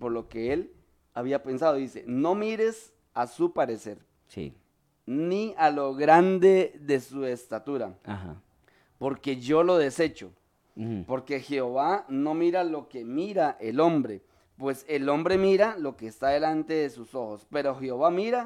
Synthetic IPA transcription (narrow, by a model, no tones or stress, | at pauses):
poɾlokeel | aβiapensað̞oðisḛnomiɾes | asupaɾeseɾ | sḭ | nialoɣɾand̪eðesuest̪at̪uɾaaha̰ | poɾke̞ʝolo̞ðe̞set͡ʃo̰ | poɾkexeoβanomiɾalokemiɾaʔelombɾe | pweselo̞mbɾemiɾalo̞keːst̪aðelant̪eðesusoxospe̞ɾoxeoβamiɾa